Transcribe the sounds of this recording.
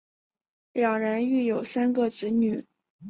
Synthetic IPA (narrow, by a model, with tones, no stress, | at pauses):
ljɑ˨˩ŋɻə˧˥ny˥˩jo˨˩ʊsa˥nɡə˥˧ʈ͡ʂɻ̩˧˥ny˨˩˦